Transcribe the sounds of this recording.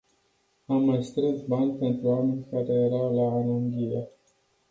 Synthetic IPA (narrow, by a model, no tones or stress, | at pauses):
amːajst̪ɾesbanʲpe̞nt̪ɾuamenʲkaɾe̞jeɾawlaːluŋɡʲiɾe